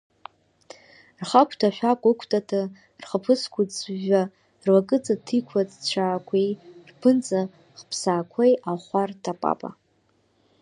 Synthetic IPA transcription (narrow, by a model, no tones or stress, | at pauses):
rχakʷʰtʰaʃᶣʷakʷʼɨkʷʰtʼatʰa | rχəpʰɨskʷʰut͡sʒa | rwakʼɨt͡sʼatʰikʷʰadt͡ɕʷʰaːkʷʰejrpʰɨnt͡sʼa | χpʰsaːkʷʰejʔaχʷartʰapʼa̰pʼa̰